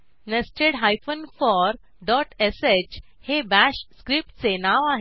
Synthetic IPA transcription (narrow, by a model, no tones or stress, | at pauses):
nəsʈeɽɦajfənfɔɾ | ɖɔʈeset͡ɕhebæɕskɾip̚ʈ̚t͡senaʋaɦ